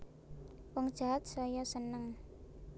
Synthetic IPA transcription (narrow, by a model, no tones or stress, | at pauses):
wɔŋd̥ʒ̥a̤ɦat̪̚sɔjɔsənəŋ